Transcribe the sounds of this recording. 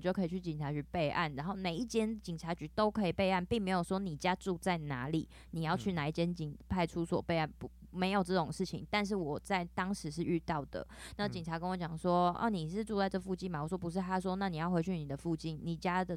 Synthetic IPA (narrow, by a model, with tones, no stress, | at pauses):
t͡ɕjo˥˩ʊkʰɤ˧˥i˨˩t͡ɕʰy˥˩t͡ɕi˨˩nʈ͡ʂʰa˧˥t͡ɕy˧˥pe˥˧ɪʔa̰˥˩nɻa˧˥nxo˥˩ʊne˨˩ɪi˥˩t͡ɕjɛ˥nt͡ɕi˨˩nʈ͡ʂʰa˧˥t͡ɕy˧˥t̪o˥ʊkʰɤ˧˥i˨˩pe˥˧ɪa˥˩npi˥˩ŋme˧ɪjo˨˩ʊʂwɔ˥ni˨˩t͡ɕja˥ʈ͡ʂu˥˧t͡sa˥˩ɪna̰˧˥˦li˨˩˦ | ni˨˩jɑ˥˧ʊt͡ɕʰy˥˩na˨˦i˥˩t͡ɕjɛ˥nt͡ɕi˨ŋpʰa˥˧ɪʈ͡ʂʰu˥swɔ̰˨˩pe˥˧ɪa˥˩npu˨˦ | me˧˥ɪjo˨˩ʊʈ͡ʂɤ˥˩ʈ͡ʂʊ˨˩ŋʂɻ̩˥˩t͡ɕʰḭ˨˦ŋt̪a˥˧nʂ̬ɻ̩˥˩wɔ˨˩t͡sa˥˩ɪt̪ɑ˥ŋʂɻ̩˨˧˦ʂ̬ɻ̩˥˧y˥˧t̪ɑ˥˩ʊd̪̥ə̰˩na˥˩t͡ɕi˨˩ŋʰa˧˥kə˥nwɔ˧˥t͡ɕjɑ˨˩ŋʂwɔ˥ɔ̰˧˩ni˨˩ʂɻ̩˥˧ʈ͡ʂu˥˧t͡sa˥˧ɪʈ͡ʂɤ˥˩əfu˥˧t͡ɕi˥˧nma˨˩wɔ˨˩ʂwɔ˥pu˧˦ʂ̬ɻ̩˥˩t̪ʰa˥ʂ̬wɔ˦na˥˩ni˨˩jɑ˥˩ʊxwe˧˥ɪt͡ɕʰy˥˩ni˨˩d̪ə˦fu˥˧t͡ɕi˥˩nni˨˩t͡ɕja˥d̪ə˨